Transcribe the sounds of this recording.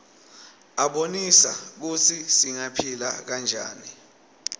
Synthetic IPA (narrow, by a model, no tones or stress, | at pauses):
aɓonisak̬ut͡sʰisiŋapʰila̰k̬and͡ʒʱa̰ːni